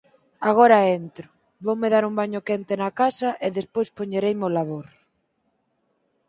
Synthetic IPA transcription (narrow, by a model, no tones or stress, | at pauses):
aɣoɾaent̪ɾʊ | βowmeðaɾumbaɲokent̪enakasaʔeðespojspoɲeɾejmolaβ̞oɾ